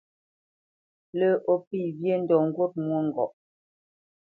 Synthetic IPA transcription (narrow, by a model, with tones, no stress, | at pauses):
lə˦ʔo˦pi˦˨bje˦n̩˦dɔ˨ŋ̩˦ɡwo˦t̚mwo˦ŋ̩˨ɡɔ̰˨ʔ